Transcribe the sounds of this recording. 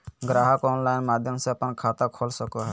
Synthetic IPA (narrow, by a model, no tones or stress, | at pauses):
ɡɾaɦəkɔnlajnmad̪ʱjɔmseapənkʰat̪akʰɔlsɔkɔɦɔ